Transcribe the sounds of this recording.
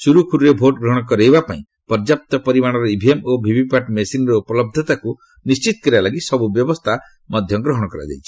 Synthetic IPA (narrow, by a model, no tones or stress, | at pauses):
suɾukʰuɾɾebʱoʈɡɾɔɦɔɽ̃ɔkɔɾejbapaĩ | pɔɾd͡ʒap̚t̪ɔpɔɾimaɽ̃ɔɾɔibʱiemobʱibipaʈmesinɔɾɔupɔlɔb̚d̪ʱɔt̪aku | nist͡ʃit̪ɔ̥kɔɾibalaɡisɔbubjɔbɔst̪ʰa | mɔd̪ʱjɔɡɾɔɦɔɽ̃ɔkɔɾa̰d͡ʒa̰jt͡ʃʰi̥